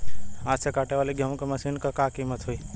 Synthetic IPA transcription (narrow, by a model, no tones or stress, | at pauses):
aːsʰekaːʈeʋaːliɡʱjamkɐmɐsinkɐkakimət̪ɦui